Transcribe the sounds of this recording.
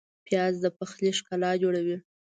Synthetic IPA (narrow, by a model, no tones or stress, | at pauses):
pjɑzd̪əpaxleʃkalɑd͡ʒoɽawi